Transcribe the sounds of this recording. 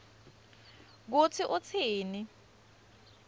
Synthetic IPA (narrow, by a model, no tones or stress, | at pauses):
k̬ut͡sʰiʔut͡sʰiːni